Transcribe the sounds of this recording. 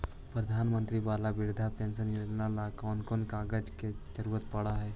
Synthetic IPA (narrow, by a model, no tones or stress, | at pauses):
pɾəd̪ʱanmənt̪ɾiʋalabiɽd̪ʱapẽnsənjod͡ʒnalakɔnkonkaɡəd͡ʒked͡ʒəɾuʋət̪̚pəɽaɦɛ